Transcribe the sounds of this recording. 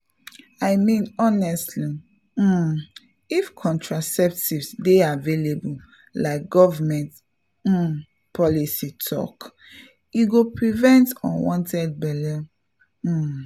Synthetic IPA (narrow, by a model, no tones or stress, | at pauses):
aɪmĩnɔnɛstʰli | ifkʰɔ̃ntʰɹasɛp̚tivsdeavelebul | laɪk̚ɡɔvamɛ̃nt̩ | pʰɔlisitʰɔ̰k | iɡopɹivɛ̃ntɔ̰̃nwɔ̃ntɛd̚bɛlɛ